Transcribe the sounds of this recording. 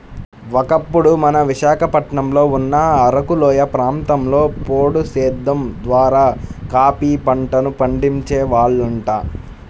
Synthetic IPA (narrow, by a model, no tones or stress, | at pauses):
ʋɔkɐpːuɽumɐnɐʋiʃaːkʰɐpɐʈɳɐmlo̞ːunːɐːɾɐkulɔːjɐpɾaːnt̪ɐmlo̞ːpoːɽusɛːd̪ːɐmd̪ʋaːɾaːkaːpiːpɐɳʈɐnupɐɳɖiɲt͡ʃeːʋaːɭːuɳʈaː